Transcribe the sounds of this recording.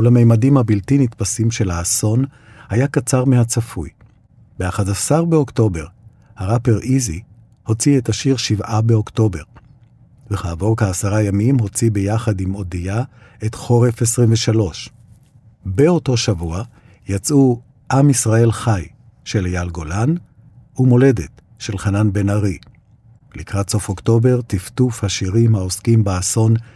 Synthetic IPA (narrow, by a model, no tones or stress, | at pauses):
ulame̞jmadimhabiltinitpasimʃe̞laːso̞n | hajakat͡saʁmehat͡safuj | beaχadasaʁbeokto̞be̞ʁ | haʁapeʁʔizi | ho̞t͡sietaʃiʁʃivabeo̞kto̞be̞ʁ | veχaːvo̞ʁkeːsaʁajamimɦo̞t͡sibe̞jaχadimo̞dija | etχo̞ʁe̞fesʁimveʃalo̞ʃ | beo̞to̞ʃavua | jat͡su | ʔamisʁae̞lχaj | ʃe̞ljalɡo̞lan | umo̞le̞det | ʃe̞lχananbe̞naʁi | likʁatso̞fokto̞be̞ʁtiftufhaʃiʁimhaoskimbaːso̞n